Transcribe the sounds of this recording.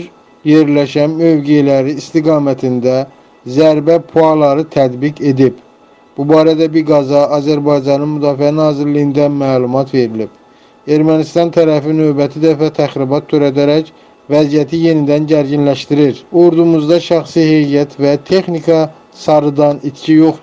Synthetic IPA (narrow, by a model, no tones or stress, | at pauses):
je̞ɾlæʃænmø̞vɡejlæɾiːst̪iɡɑːmæt̪ʰind̪æ | zæɾbæpʰuɑlˠɑɾɯt̪ʰæd̪bikʰe̞d̪ib | b̥ubɑːɾæd̪æbiɾɡɑzɑːzæɾbɑjd͡ʒɑnɯnmyd̪ɑːfiænɑːziɾlijind̪æmæːlˠumɑt̪ʰve̞ɾilib̥ | e̞ɾmænist̪ɑnt̪ʰæɾæfinø̞bæt̪ʰid̪æfæt̪ʰæxɾibɑt̪ʰːøɾæd̪æɾæc | væzijæt̪ʰije̞nid̪ænɟæɾɟinlæʃt̪iɾiɾoɾd̪umuzd̪ɑʃæχsihe̞jjæt̪ʰvæt̪ʰe̞χnikʰɑ | sɑɾɯd̪ɑnit̪cʰijo̞χ